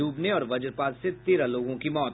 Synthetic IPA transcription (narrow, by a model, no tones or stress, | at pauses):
uːbneɔːɾʋɐd͡ʒəɾpaːzset̪eːɾaloːɡõkimɔːt̪